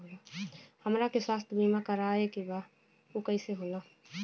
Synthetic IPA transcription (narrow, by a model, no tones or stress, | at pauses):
laːhəmɾakeswaːst̪biːmakəɾaːekibaː | okəiseɦoːnaː